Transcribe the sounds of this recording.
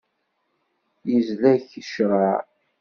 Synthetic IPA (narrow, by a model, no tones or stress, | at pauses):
jəzlæçəʃɾˤɑ